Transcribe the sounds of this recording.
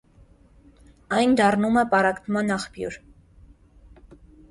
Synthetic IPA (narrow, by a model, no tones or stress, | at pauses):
ɑjnd̪ɑrnumɛpɑɾɑkt̪ʰmɑnɑχpjṵɾ